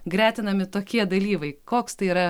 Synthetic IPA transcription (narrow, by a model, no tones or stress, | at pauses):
ɡɾʲæːt̪ʲɪnɐmʲɪt̪oːkʲiɛd̪ɐlʲiːʋɐɪkoːkst̪ɐɪiːɾɐ